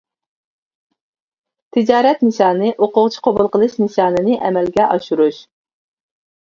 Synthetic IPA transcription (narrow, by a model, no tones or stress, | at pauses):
t̪ʰɪd͡ʒɑːɾɛt̪nɨʃɑːnɨʔoqʊʁt͡ʃʰi̥qʰobʊlˠqəlˠɨʃnɨʃɑːnɨnɨʔɛmɛlɡʲɛʔɑʃuɾuʃ